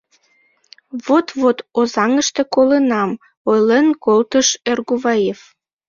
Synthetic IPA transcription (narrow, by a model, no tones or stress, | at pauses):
βot̪βot̪ozɑŋəʃt̪e̽kolənɑm | ojlenkolt̪əʃerɣuβɑjef